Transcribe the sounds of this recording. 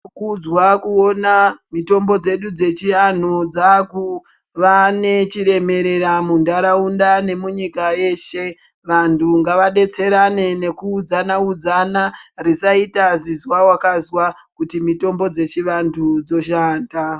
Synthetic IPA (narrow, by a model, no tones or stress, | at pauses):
kud͡zwakuo̞namito̞mbo̞d͡ze̞ɗud͡ze̞t͡ʃian̤od͡zaku | ʋane̞t͡ʃiɾe̞me̞ɾe̞ɾamundaɾaundane̞muɲikaje̞ʃe̞ | ʋantʰuŋɡaʋaɗe̞t͡se̞ɾane̞ne̞kuːd͡zanaud͡zanarisaitazizwawakazwa | kutimito̞mbo̞d͡ze̞t͡ʃiʋantʰud͡zo̞ʃaːnda